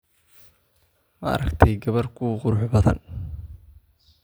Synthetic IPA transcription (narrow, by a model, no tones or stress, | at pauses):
mɐɐ̰ɾɐɡt̪ʰɛjɡɐβɐrkʰʊqʊɾʊħbɐðɐ̰n